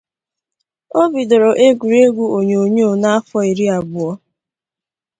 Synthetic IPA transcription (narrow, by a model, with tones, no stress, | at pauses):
o˦bi˨do˨ɾo˨ʔe˦ɡʷu˨ɾe˦ɡʷu˦o˨ɲo˨o˨ɲo˦o˦˨na˦a˦fɔ˦i˨ɾi˦a˨bʊ˨ɔ˦